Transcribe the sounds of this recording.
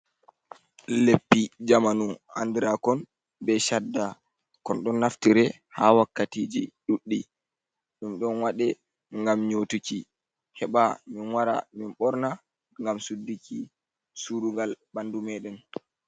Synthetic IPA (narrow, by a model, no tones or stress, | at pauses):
lepːid͡ʒamanuha̰ndiɾakɔn | bɛʃadːa | kɔnɗɔnːaftiɾɛ | hawakːatid͡ʒḭɗuɗːi | ɗumɗɔnwaɗɛ | ŋɡamɲotuki | hɛɓaminwaɾa̰minɓɔɾna | ŋɡamsudːikʰi | suɾuŋɡalbandumɛɗɛn